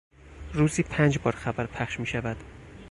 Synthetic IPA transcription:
ɾuːziːpʰænd͡ʒbɒːɾxæbæɾpʰæχʃmiːʃævæd̪̥

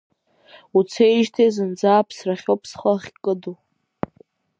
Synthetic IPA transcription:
ut͡sʰejʒtʰezɨnd͡zaːpʰsraχʲopʰsχəχʲkʼɨdu

